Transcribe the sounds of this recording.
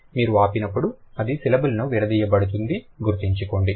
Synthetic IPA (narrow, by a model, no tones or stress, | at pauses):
miːɾuaːpinɐpːuɽuɐd̪isilɐbulɐnuʋiɾɐd̪iːjɐbɐɽut̪̬und̪iɡuɾt̪iɲt͡ʃuko̞ːɳɖi